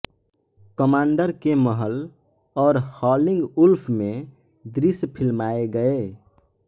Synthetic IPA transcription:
kəmaːɳɖəɾkeməɦəlɔːɾhɔːlɪ̃ŋɡulpʰmẽd̪ɾispʰilmaeɡəe

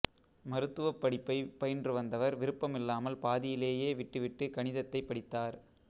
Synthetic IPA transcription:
mɐɾɯt̪ːɯʋɐpːɐɽɪpːɐɪpɐjndrɯʋɐnd̪ɐʋɐɾʋɪɾɯpːɐmɪlːaːmɐlpaːðɪjɪleːjeːʋɪʈːɯʋɪʈːɯkɐɳɪðɐt̪ːɐɪpːɐɽɪt̪ːaːɾ

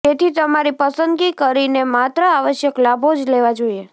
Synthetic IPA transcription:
et̪ʰit̪əmaɾipəsənd̪ɡikəɾinemat̪ɾəaʋəʃjəklabʱod͡ʒleʋad͡ʒoie

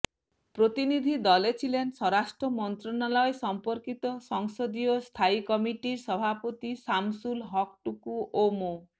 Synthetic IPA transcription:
pɾot̪inid̪ʱid̪ɔlet͡ʃʰilensɔɾasʈɾɔmɔnt̪ɾɔnalɔesɔmpɔɾkit̪ɔsɔŋsɔd̪ijɔst̪ʰajkɔmiʈiɾsɔbʱapɔt̪isamsulɦɔk̚ʈukuʔomo

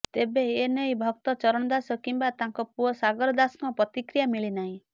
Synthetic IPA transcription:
t̪ebeenejbʱɔk̚t̪ɔt͡ʃɔɾɔɽ̃ɔd̪asɔkimbat̪ãŋkɔpuɔsaɡɔɾɔd̪asŋɔpɾɔt̪ikɾijamiɭinaɦĩ

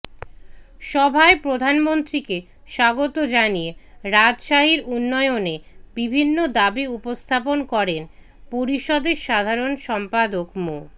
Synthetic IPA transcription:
ʃɔbʱaepɾod̪ʱanmont̪ɾike | ʃaɡot̪od͡ʑanijeɾad͡ʑʃaɦiɾunːɔeonebibʱinːod̪abiupost̪ʰaponkɔɾen | poɾiʃɔd̪eɾʃad̪ʱaɾonʃɔmpad̪okmo

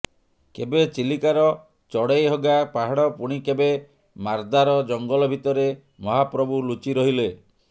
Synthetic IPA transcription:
kebet͡ʃilikaɾɔ | t͡ʃɔɽejɦɔɡapaɦaɽɔpuɽ̃ikebe | maɾd̪aɾɔd͡ʒɔŋɡɔlɔbʱit̪ɔɾe | mɔɦapɾɔbulut͡ʃiɾɔɦile

